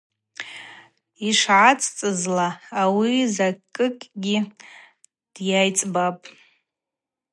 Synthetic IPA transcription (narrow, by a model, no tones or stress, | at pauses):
iʂʕat͡sʼt͡sʼɨzlaːwizakʼɨkʼɡʲi | d̥jajt͡sʼbapʼ